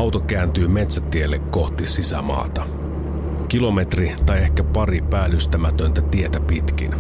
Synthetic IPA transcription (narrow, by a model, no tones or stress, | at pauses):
ɑwt̪ok̟æːnt̪yːme̞t̪sæt̪ielːekko̞ht̪isisæ̰mɑ̰ːt̪ɑ | k̟ilo̞me̞t̪rit̪ɑje̞hkæpɑripæːlːyst̪æmæt̪ø̞nt̪æt̪ie̞t̪æpit̪k̟ḭn